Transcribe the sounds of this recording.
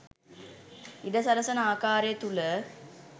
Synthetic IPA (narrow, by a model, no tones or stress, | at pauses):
id̪ɐsɐɾɐsɐnaːkaːɾet̪ulɐ